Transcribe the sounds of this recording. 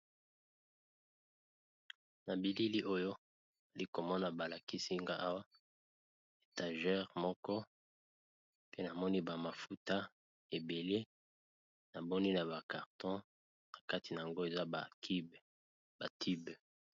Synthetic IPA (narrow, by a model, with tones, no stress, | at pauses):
na˨bi˨li˦li˦ʔo˦jo˦ | a˨li˦ko˨mɔ˦na˨ba˨la˨ki˦si˦ŋɡa˦ʔa˦wa˦ | e˨ta˨ʒɛ˦ʁmɔ˦kɔ˦ | pe˦na˨mɔ˦ni˦ba˨ma˨fu˦ta˦ | e˨be˨le˦ | na˨bɔ˦ni˦na˨ba˨ka˨ʁtɔ̃˦ | na˨ka˦ti˨na˨a˨ŋɡo˦e˨za˦ba˨ki˦b | ba˨tʰi˦b